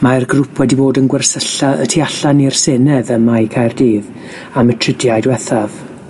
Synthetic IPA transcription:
marɡrʊpʰwɛdiboːdənɡwɛrsəɬaʔə̰tʰiaɬanir̥seːnɛðənmajkʰajrdiːð | amətʰrɪdjajdwɛθav

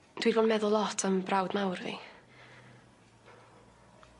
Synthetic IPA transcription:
d̥widboːdmɛðʊlˠɔtʰəmbrawdnawrvḭ

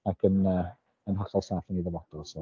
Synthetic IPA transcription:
akʰənəː | ənɦɔχɔlˠsaːθəniðəvɔd̥ɔsɔ

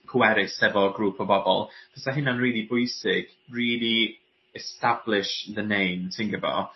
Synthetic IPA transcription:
kʰwɛɾɪsɛvɔɡɾuːpʰɔbɔbɔ̰lˠpɛsaɦɪnanriːlˠibʊɨsɪɡ̥ | riːlˠi | ɛstablɪʃðənejmtʰɪŋɡəvɔ̰

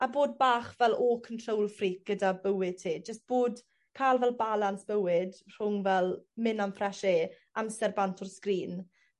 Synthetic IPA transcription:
aboːd̚baːχvɛlˠɔkʰəntʰrowlˠfriːk̚ɡ̥ədabəwɪd̚tʰiːd͡ʒəst̚b̥oːd | kʰaːlˠvɛlˠbalˠansb̥əwɪd̥r̥ʊŋvɛlˠmɪnamfrɛʃeː | amsɛrbantʰɔrskriːn

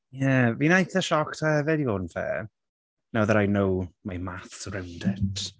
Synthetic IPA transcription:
jɛvinajθəʃɔktʰaɛvɛdivonfɛ̰ː | nawðəɾajnowmajmaθsrɪwndɛtʰ

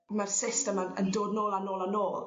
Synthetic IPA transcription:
marsɪstəmanə̰ndoːdnoːlˠanoːlˠanoːlˠ

